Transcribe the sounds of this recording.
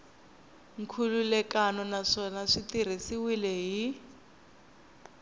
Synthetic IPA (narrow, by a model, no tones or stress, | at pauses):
ŋkʰululɛkanɔnaʂɔnaʂitiɾ̤isiwilɛɦi